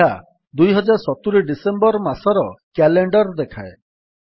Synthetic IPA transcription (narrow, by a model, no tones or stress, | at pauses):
a | d̪ujɦɔd͡ʒaɾsɔt̪uɾiɖisembɔɾmasɔɾɔkɛleɳɖɔɾd̪ekʰae